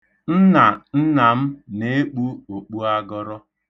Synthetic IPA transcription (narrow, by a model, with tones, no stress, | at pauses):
n̩˦na˨n̩˦na˨m̩˦ne˦k͡pu˦o˨k͡pu˦a˦ɡɔ˦ɾɔ˦